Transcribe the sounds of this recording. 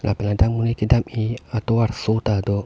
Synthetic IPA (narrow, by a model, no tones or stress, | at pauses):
ŋa̰pɛnadaŋmunikidamiat̪owarsot̪ad̪o